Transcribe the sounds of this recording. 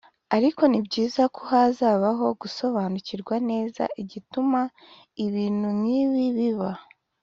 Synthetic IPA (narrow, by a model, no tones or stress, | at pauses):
aɾiko̞nibɟiːzakʰohazaːβaɦo̞ɡuso̞βaːnuciɾɡwane̞ːza̰ʔiɟituma | iβiːn̥humŋiːβiβiβa